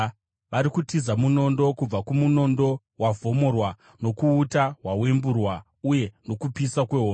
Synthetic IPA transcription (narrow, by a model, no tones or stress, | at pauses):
ʋaɾikutizamuno̞ndo̞kub͡vakumuno̞ndo̞ | wavʱo̞mo̞rwa | no̞kuːtaɦwawe̞mburwa | uje̞no̞kupisakwe̞ɦoː